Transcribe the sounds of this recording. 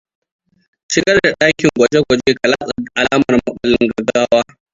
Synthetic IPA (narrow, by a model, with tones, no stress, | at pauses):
ʃɪ˦ɡɐ˦rda˨ɗaː˦kʲɪ˨ŋɡʷɐ˨d͡ʒe˦ɡʷɔ˨d͡ʒeː˦ka˨laː˦sʼa˨ʔa˨laː˦mɐ˨rmʊ˦ɓa˨lɪ˦ŋɡɐ˨ɡaː˦waː˦